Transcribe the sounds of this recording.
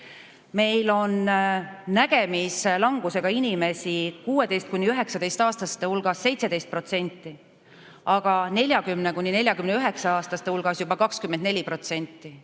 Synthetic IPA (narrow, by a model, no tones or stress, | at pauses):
me̞jlo̞nː | æɡ̥e̞mislɑŋɡ̥use̞ɡ̥ɑinʲime̞sikuːe̞d̪e̞jst̪̚kunʲːiyɦe̞ksɑd̪e̞jst̪ɑːst̪ɑst̪eulɡ̥ɑsːe̞jt̪se̞d̪e̞jst̪̚pro̞t̪se̞nʲt̪ːˑi | ʔɑɡ̥ɑne̞lʲjɑkymnekunʲːine̞lʲjɑkymneyɦe̞ksɑɑːst̪ɑst̪e̞ulɡ̥ɑsjubɑkɑkskymːend̪̚nelʲipro̞t̪se̞nʲt̪ːˑi